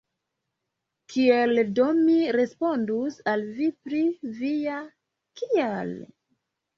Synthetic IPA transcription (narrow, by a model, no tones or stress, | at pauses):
kʰieldo̞miɾe̞spo̞ndusalvipɾivija | kiel